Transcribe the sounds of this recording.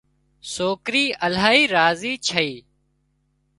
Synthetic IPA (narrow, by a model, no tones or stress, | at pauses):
soːkɾiːʔəlaːiːɾaːziːt͡ʃʰəiː